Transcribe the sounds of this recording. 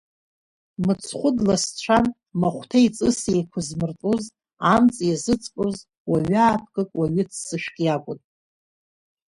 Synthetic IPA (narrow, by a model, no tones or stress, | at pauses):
mɨt͡sʰχʷʊdlast͡ɕʷʰan | maχʷtʰait͡sʼɨsejkʷʰazmɨrtʼuz | amt͡sʼjazɨt͡sʼpʷʼoz | waɥaːpʰkʼɨkʼwaɥɪt͡sʰːɨʃᶣkʲʼjakʷʼʊnʼ